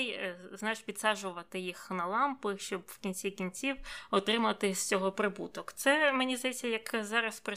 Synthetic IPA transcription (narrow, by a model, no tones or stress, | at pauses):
jznɑt͡ʃpʲit̪sɑʒʊʋɐt̪ɪjixnɐlˠɑmpɪʃt͡ʃɔbw̥kʲinʲt͡ssʲikʲinʲt͡sʲiwɔt̪ɾɪmɐt̪ɪsʲt͡sʲɔɦɔpɾɪbut̪ɔkt̪sɛmenʲizd̪ɐjɛt͡sʲːɐjɐkzɑɾɐspɾɐ